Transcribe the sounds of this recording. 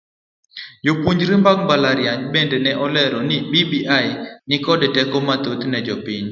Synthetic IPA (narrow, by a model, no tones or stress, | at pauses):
d͡ʒopwoɲd͡ʒɾimbaŋbalaɾjaɲbendɛnɛʔɔlɛɾɔnɪbibiʔajɪnɪkɔdɛtɛkomat̪ot̪nɛd͡ʒɔpɪɲ